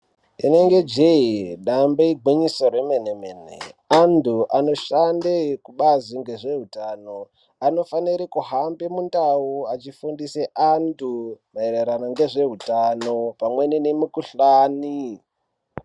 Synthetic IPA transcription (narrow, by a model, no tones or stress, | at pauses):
ine̞ŋɡe̞d͡ʒeiɗambeiɡʱwiɲisoremenemeːnḛantuʔano̞ʃandekuɓaziŋɡe̞ʐe̞ɦutano̞ | ano̞faniɾikuɦambemundauat͡ʃifundiseʔantʰumaereɾanoŋɡe̞ʐe̞ɦutano̞pamwe̞ninemukuɬaːni